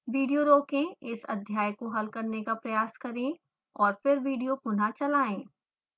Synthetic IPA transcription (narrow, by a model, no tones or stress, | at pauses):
ʋiːɖijoɾoːkẽɪsɐ̰d̪ʱjaːjkoɦɐlkɐɾnekapɾɐjaːskɐɾẽ | ɔːɾfɪɾʋiːɖijopʊnat͡ʃɐlaːẽː